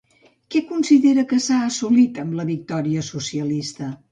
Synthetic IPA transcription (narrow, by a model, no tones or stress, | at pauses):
kɛkunsiðeɾəkəsaəsulit̪əmləβik̚t̪ɔɾiəsusiəlist̪ə